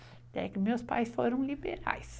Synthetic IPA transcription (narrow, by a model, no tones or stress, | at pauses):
d̪̥ɛæ̰ɾɪkːəmespɑ̰ɪsfɔɾʊmlɪbɛɾɑ̰ɪs